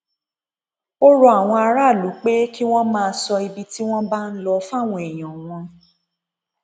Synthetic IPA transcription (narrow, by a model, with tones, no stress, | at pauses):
o˦ɾo˦a˦˨w̃ɔ̃˧a˧ɾa˦˨lu˨˦k͡pe˦ki˦w̃ɔ̃˦mãː˧˦sɔ˧i˧bi˦ti˦w̃ɔ̃˦ba˦n̩˦lɔ˧fa˦˨w̃ɔ̃˧e˨j̃ɔ̃˨w̃ɔ̃˧